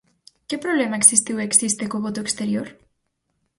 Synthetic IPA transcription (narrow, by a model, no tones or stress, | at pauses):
kepɾoβlemaeksist̪iweksist̪ekoβot̪oekst̪eɾjoɾ